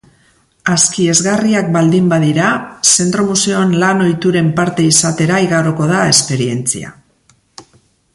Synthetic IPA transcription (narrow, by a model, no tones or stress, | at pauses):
askie̞zɣariak̚bald̪imbaðiɾase̞nt̪ɾo̞museoanlano̞jt̪uɾe̞mpaɾt̪e̞isat̪e̞ɾaiɣaɾoko̞ð̞ae̞spe̞ɾie̞nt͡sḭa̰